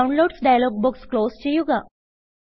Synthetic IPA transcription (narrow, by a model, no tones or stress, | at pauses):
wnloːɖsɖajlɔːɡ̚bukskloːst͡ɕejuɡa